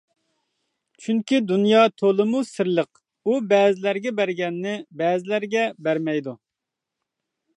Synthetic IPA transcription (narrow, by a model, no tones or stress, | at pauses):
t͡ʃʰyŋkʲid̪unjɑt̪ʰolˠəmusɪɾlˠəq | ubɛːzɪlæɾɡʲɛbæɾɡʲɛnːɪbɛːzɪlæɾɡʲɛbæɾmɛjd̪u